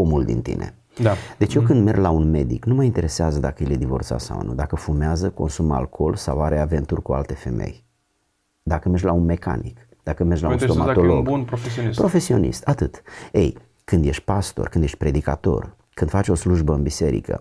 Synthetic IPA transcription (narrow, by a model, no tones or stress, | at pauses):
omuld̪ḭnt̪ḭnʔḛ | d̪e̞t͡ʃjekɨnd̪me̞rɡlaunme̞d̪iknuməint̪e̞ɾe̞seazəd̪akəiled̪ivo̞rt̪sa̰sa̰wnṵd̪akəfumeazəko̞̰nsuma̰lkʰo̞lsawaɾe̞ave̞nt̪urʲkua̰lt̪e̞fe̞me̞̰j | d̪akəme̞rʒlaunme̞ka̰nik | d̪akəme̞rʒlaunt̪omat̪oloɡnpɾofesspɾo̞fe̞sio̞nḭst̪at̪ɨt̪e̞̰j | kɨnd̪je̞ʃt̪̚ʲpast̪orkɨnd̪jeʃt̪̚ʲpɾe̞d̪ika̰t̪o̞̰r | kɨnd̪fat͡ʃo̞sluʒbəɨnbise̞ɾḭkə̰